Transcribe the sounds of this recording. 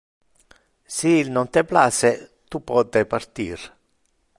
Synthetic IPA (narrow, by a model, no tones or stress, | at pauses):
siilnɔnt̪eplaːset̪upːɔːt̪epaɾt̪iːɾ